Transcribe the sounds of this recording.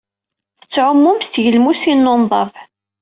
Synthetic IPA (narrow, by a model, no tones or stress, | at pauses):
θə̥t͡sːʕʊmːʊmst̪ʝəlmusinːonðˤɑv